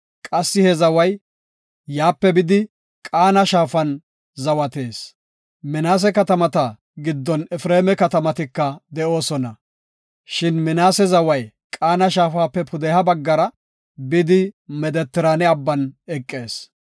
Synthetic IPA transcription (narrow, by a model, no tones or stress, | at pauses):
kʼɐsːɪhɛzɐwɐj | jaːpːɛbɪd̪ɪ | kʼaːnɐʃaːfɐn | zɐwɐt̪e̞ːs | mɪnaːs̬ɛkɐt̪ɐmɐt̪ɐ | ɡɪd̪ːɔnɛfɾeːmɛkɐt̪ɐmɐt̪ɪkːɐd̪ɛo̞ːsɔnɐ | ʃɪnmɪnaːsɛzɐwɐj | kʼaːnɐʃaːfaːpːɛpʊd̪ɛhɐbɐɡːɐɾɐ | bɪd̪ɪmɛd̪ɛt̪ːɪɾanɛɐbːɐnɛkʼːe̞ːs